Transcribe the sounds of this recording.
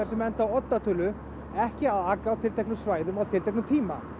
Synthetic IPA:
ɛɾsɛmɛnt̪awɔt̪ːat̪ʰʏːlʏ | ɛhcɪaðaːkːawt̪ʰɪlt̪ʰejknʏmsvaːjðʏmawt̪ʰɪlt̪ʰejknʏmt̪ʰiːma̰

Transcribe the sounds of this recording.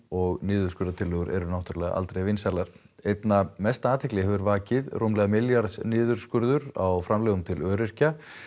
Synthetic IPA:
ɔɣnɪːðʏɾ̥skʏɾðat̪ʰɪlːœːɣʏɾʔɛ̰ɾʏnawht̪ʏɾalɛɣa̰ʔa̰lt̪ɾejvɪnsalaɾ̥ | ejt̪namɛst̪aaːt̪ʰɛklɪɦɛvʏɾvaːcɪðrʔomlɛɣamɪljaɾsnɪːðʏɾ̥skʏɾðʏɾa̰wfɾamlɛːɣʏmt̪ʰɪlœːɾɪr̥ca

